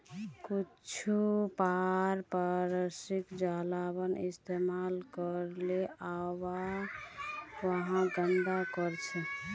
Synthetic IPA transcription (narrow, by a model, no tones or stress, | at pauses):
kut͡ʃʰupaɾpaɾəsikd͡ʒalabənḭst̪emalkəɾleawa | wəɦãɡənd̪akəɾt͡ʃʰɛ